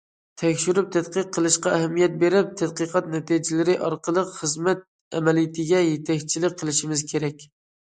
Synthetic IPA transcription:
t̪ʰɛkʲʃyɾyp̚t̪ʰæt̪qəqʰːəlˠɨʃqɑæɦɛmːijɛt̪̚beɾɪp̚t̪ʰɛd̪qəqʰɑt̪nɛt̪id͡ʒɪlɪɾɪʔɑɾqəlˠəqχəzmɛt̪̚ | ɛ̰mɛlijɪt̪ʰɪɡʲɛjet̪ʰɛkʲt͡ʃʰilɪk̚ʲqʰəlˠɪʃimɪzkʲʰeɾɛkʲ

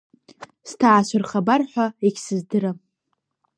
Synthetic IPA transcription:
stʰaʕːʃʷarχabarħʷᶣaekʲsɨzdɨɾa

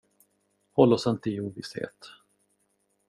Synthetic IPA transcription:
hɔlːɔsɛnt̪əɪuːvɪshḛːt̪

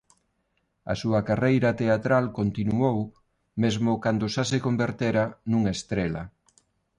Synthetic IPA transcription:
a̰suɐkarejɾɐt̪eat̪ɾalkont̪inuow | mezmʊkand̪ʊʃasekombeɾt̪eɾanuŋaest̪ɾelɐ̰

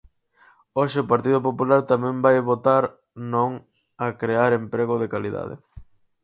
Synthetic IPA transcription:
oʃɪʊpaɾt̪iðʊp̬opulaɾt̪amɛ̃mbajβot̪aɾ | nõŋ | akɾeaɾempɾeɣʊðekaliða̰ðɪ̰

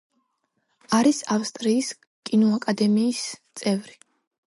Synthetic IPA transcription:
aɾisafst̪ʼɾiːs | kʼinɔakʼad̪ɛmiːst̪sʼɛvɾi

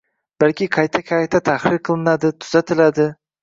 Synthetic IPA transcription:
b̥alkʲɪqʰɑjt̪ʰakʲʰajt̪ʰat̪ʰahɾɪɾqʰɨlˠɪnad̪ɪt̪ʰʊ̥z̥at̪ʰɪlad̪ɪ

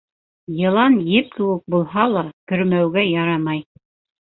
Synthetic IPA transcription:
jɤ̆lˠɑnjɘp̚kɘ̆wɘk̚bulˠɦɑlˠɑkɵ̆ɾmæwɡæjɑɾɑmɑj

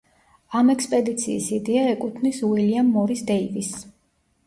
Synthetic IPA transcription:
amɛkspʼɛd̪it̪sʰiːsid̪ɛaɛkʼut̪ʰmiswiliamːɔɾisd̪ɛivis

